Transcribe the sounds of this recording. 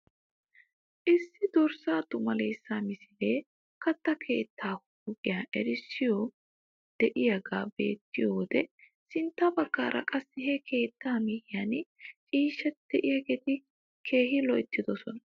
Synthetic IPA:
ʔɪsːɪd̪ɔɾsaːt̪ʊmɐlejsːaːmɪsɪle̞ː | kɐt̪ːɐkʰe̞ːt̪ʰːaːhʊʊkʼɪjaʔɛɾɪsːɪjɔ | d̪̥ɛʔɪjɐɡaːbe̞̰ːt̪ːɪjɔwd̪ɛ | sɪnt̪ːɐbɐɡːa̰ːɾɐ̰kʼɐsːɪhɛkʰe̞ːt̪ːaːmɪhɪjant͡ʃʼiːʃːɛtd̪̥ɛʔɪjɐɡeːt̪ɪ | kʰe̞ːhɪlɔʔɪt̪ːɪd̪ɔsɔnɐ

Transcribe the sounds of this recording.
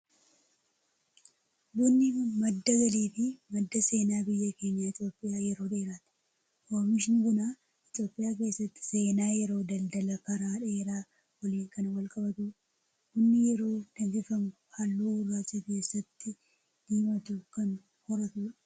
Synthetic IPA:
bunːɪmɐd̪ːɐɡɐliːfɪmɐd̪ːɐse̞ːnaːbɪjːɐke̞ːɲːaːɪt̪ʼjo̞ːpʼːɪjaːjɛɾo̞ːdeːɾaːt̪ɪ̥ | koːmɪʃɪnɪɡʊnaː | ɪt̪jo̞ːpʼːɪjaːk̬e̞ːsːɐt̪ːɪ̥se̞ːnaːjɛɾo̞ːd̪ɐld̪ɐlɐkɐɾaːᶑɐeːɾaː | wɐliːŋkɐnwɐlkʼɐbɐt̪ʊ | hʊnːɪjɛɾo̞ːdɐd͡ʒɪfɐmʊhɐlːuːʊrːaːt͡ʃːɐke̞ːsːɐt̪ːɪ | d̪̥iːmɐt̪ʊkɐn | hɔɾɐt̪uᶑɐ̥

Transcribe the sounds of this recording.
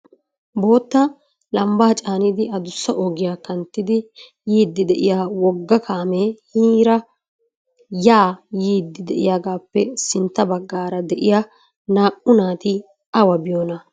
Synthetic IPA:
bo̞ːt̪ːɐ | lɐmbaːt͡ʃʼaːnɪd̪ɪɐd̪ʊsːɐʔoɡɪjaːkɐnt̪ːɪd̪ɪ | jiːd̪ːɪd̪ɛʔɪjaːwɔɡːɐkʰaːmehiːɾɐ | jaːjiːd̪ːɪd̪ɛʔɪ̰jaːɡaːpːɛsɪnt̪ːɐbɐɡːaːɾɐd̪ɛʔɪja | naːʔʊnaːt̪ɪ | ʔɐwɐbɪjonɐ

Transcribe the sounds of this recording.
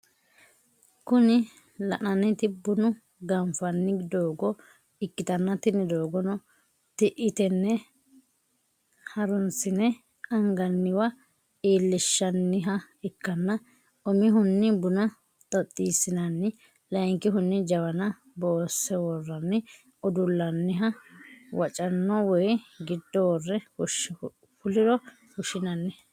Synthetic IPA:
kʊnɪ | lɐʔɐnɛt̪ɪbʊnʊ | ɡɐmfɐnːɪd̪oːɡɔ | ɪkːɪt̪ɐnːɐt̪ɪnːɪd̪o̞ːɡɔnɔ | t̪ɪʔɪt̪ɛnːɛ | hɐɾʊnsɪnɛ | ɐŋɡɐnːɪwɐ | iːlːɪʃːɐnːɪɦɐ | ɪkːɐnːɐ | ʔɔmɪɦʊnːɪbʊnɐ | t̪ʼɔt̪ʼːiːsːɪnɐnːɪ | lɐjŋkɪɦʊnːɪd͡ʒɐwɐnɐ | boːsɛwɔrːɐnːɪ | ɔd̪ʊlːɐnːɪɦɐwɐt͡ʃʼɐnːɔwɔjɡɪd̪ːɔwɔrːɛʊʃ | pʊlɪɾɔ | hʊʃɪnɐnːɛ

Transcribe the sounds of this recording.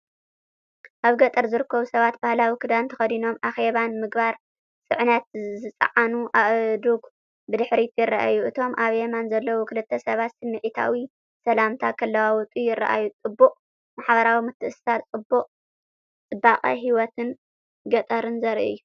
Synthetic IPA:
ʔaβɡɐt̪ʼɐɾzɨɾɨkʰːɐβusɐβat̪̚bahlawikʰɨd̪ant̪ʰɐ̥xɐd̪ino̞mʔaxe̞βanmɨɡbaɾ | sʼɨ̰ʕnɐt̪zɨt͡sʼɐ̰ʕanuʔaʔd̪uɡ | bɨd̪ɨħɾit̪ʼjɪrːa̰ʔa̰juʔɨt̪ʰo̞mʔaβemanzɐlːɐwukʰɨlɨt̪ʰːɐsɐβat̪sɨnːɨʕit̪ʰa̰wi | sɐlamt̪ʰakʰɐlːawawɔt̪ʼijɪrːa̰ʔa̰jut͡sʼɨbːuqʼ | maħβɐɾawimɨt̪ʰːɨʔɨssat͡sʼɨbːuqʼ | t͡sʼɨbaqʼɐ̰ɦiwɔt̪ʰɨn | ɡɐt̪ʼɐɾɨnzɐɾʔɨ̰jːu

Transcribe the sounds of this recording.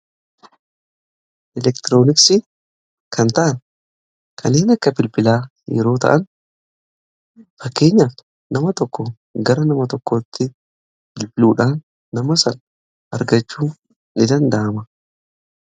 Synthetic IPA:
ʔɛlɛkt̪ɪɾo̞ːnɪksɪ | kʰɐnt̪ɐʔɐn | kʰɐneːnɐkːɐbɪlbɪlaː | jɛ̰ɾo̞ːt̪ɐ̰ʔɐn | fɐkːe̞ːɲːaf | nɐmɐt̪ɔkːɔ | ɡɐɾɐnɐmɐt̪ɔkːɔt̪ːɪ | b̥ɪlbɪluːᶑaːnː | ɐmɐsɐn | ʔɐɾɡɐt͡ʃːuː | nɪd̪ɐnd̪ɐʔɐmɐ

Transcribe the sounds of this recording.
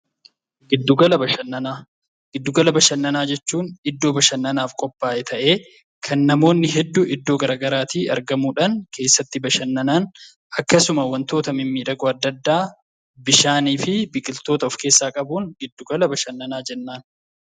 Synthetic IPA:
ɡɪd̪ːʊɡɐlɐbɐʃɐnːɐnaː | ɡ̥ɪd̪ːʊɡɐlɐbɐʃɐnːɐnaːd͡ʒɛt͡ʃːuːnɪd̪ːo̞ːbɐʃɐnːɐnaːfkʼɔpʼːaːʔɛt̪ʰɐʔe̞ː | kʰɐnːɐmo̞ːnːɪɦɛd̪ːuʔɪd̪ːo̞ːɡɐɾʔaːɡɐɾaːt̪iːɐɾɡɐmuːᶑɐnkʰe̞ːsːɐt̪ːɪbɐʃɐnːɐnaːn | ɐkːɐsʊmɐwɐnt̪o̞ːt̪ɐmɪmːiːᶑɐɡɔɐd̪ːɐd̪ːaː | bɪʃaːniːfɪbɪkʼɪlt̪o̞ːt̪ɐɔfke̞ːsːaːkʼɐbuːŋɡɪd̪ːʊɡɐlɐbɐʃɐnːɐnaːd͡ʒɛnːaːn

